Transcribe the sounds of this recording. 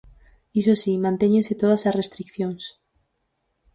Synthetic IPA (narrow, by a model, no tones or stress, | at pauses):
isosimãnt̪eɲenset̪oð̞asasrest̪ɾikθjons